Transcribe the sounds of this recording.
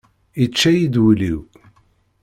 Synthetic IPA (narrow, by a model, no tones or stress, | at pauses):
it͡ʃːæjid̪wliw